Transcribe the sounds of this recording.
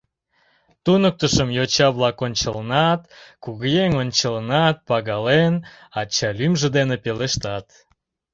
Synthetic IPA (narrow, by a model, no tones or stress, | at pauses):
t̪unək̚t̪əʃəmjot͡ɕɑβlɑkonʲt͡ɕələnɑt̪kuɣəjeŋonʲt͡ɕələnɑt̪̚pɑɣɑlen | ɑt͡ɕːɑlymʒĕd̪enepeleʃt̪ɑt̪